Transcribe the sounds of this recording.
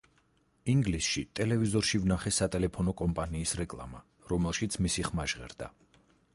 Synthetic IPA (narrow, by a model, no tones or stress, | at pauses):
iŋɡlisʃit̪ʼɛlɛvizɔɾʃivnaχɛsat̪ʼɛlɛpʰɔnɔkʼɔmpʼaniːsɾɛkʼlˠa̰ma | ɾɔmɛlˠʃit̪sʰmisiχmaʒʁɛ̰ɾd̪̥a̰